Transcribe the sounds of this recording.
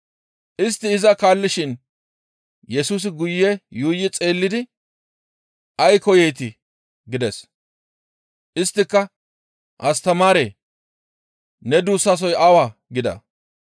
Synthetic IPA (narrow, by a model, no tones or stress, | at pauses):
ʔɪs̬t̪ːɪːzɐkaːlːɪʃɪn | jɛsuːs̬ɪɡʊjːɛjuːjːɪt͡sʼe̞ːlːɪd̪ɪ | ʔɐjkɔjejt̪ɪ | ɡɪd̪ɛs | ʔɪst̪ːɪkːɐ | ʔɐst̪ɐmaːɾeː | nɛd̪uːsːas̬ɔjɐwaːɡɪd̪ɐ̰